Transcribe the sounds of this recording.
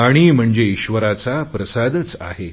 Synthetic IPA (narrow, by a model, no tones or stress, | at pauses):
aɽ̃im̤əɳd͡zeiɕʋəɾat͡sapɾəsad̪ət͡sa̰ɦe